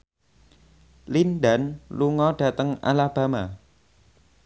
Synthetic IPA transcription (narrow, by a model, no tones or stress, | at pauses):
linɖa̤nluŋɔɖ̥a̤t̪əŋa̰lab̥a̤ma